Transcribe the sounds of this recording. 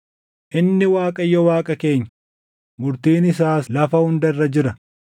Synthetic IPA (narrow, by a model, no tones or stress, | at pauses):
ʔɪnːɪwaːkʼɐjːɔwaːkʼɐke̞ːɲː | mʊɾt̪iːnɪsaːslɐfɐhʊnd̪ɐɪrːɐd͡ʒɪɾɐ